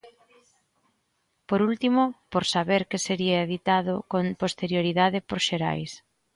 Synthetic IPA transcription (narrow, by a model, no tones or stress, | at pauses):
poɾult̪imʊpoɾsaβeɾkɪseɾiaeðit̪aðʊkompost̪eɾjoɾiðaðɪpoɾʃeɾa̰js